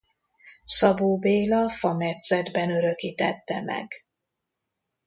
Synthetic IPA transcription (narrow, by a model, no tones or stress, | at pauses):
sɒboːbeːlɒfɒmɛt̪sɛd̪bɛnø̞ɾø̞kiːt̪ɛt̪ːɛmɛ̰ɡ